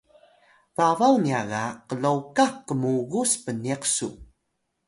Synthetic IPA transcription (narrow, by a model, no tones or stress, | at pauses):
vavawniaɣaqəlowkakːəmuɣuspəniqsṵ